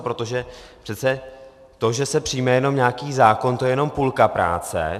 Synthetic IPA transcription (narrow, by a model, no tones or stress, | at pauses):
pɾo̞t̪o̞ʒɛpr̥ɛt̪t͡sɛ | t̪o̞ʒɛsɛpr̝̥ijmɛjɛno̞mɲaːkiːzaːko̞nt̪ojɛjɛno̞mpulkapɾa̰ːt͡sɛ̰